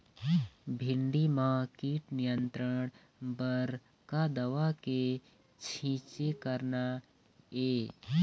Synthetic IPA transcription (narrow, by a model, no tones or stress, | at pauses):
bʱɪɳɖimãkiːʈnijənt̪ɾəɽ | bəɾ | kad̪əʋake | t͡ʃʰĩːt͡ʃekəɾna | e